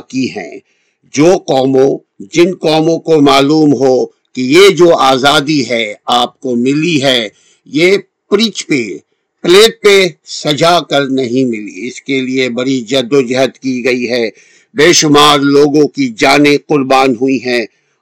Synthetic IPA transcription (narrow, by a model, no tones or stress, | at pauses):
kiɦɛ̰̃ː | d͡ʒoːqɔːmõ | d͡ʒɪnqɔːmõkomaːluːmɦoː | kijed͡ʒoːaːzaːd̪iɦɛaːp̚komɪliɦɛ | jeː | pɾit͡ʃpe | pleːʈ̚pesɐd͡ʒakɐɾnɐɦĩmɪlḭɪskeliebɐɽid͡ʒɐd̪od͡ʒɪɦət̪kiɡɐiɦɛː | beːʃʊmaːɾloːɡõkid͡ʒaːneqʊɾbaːnɦʊiɦɛ̃ː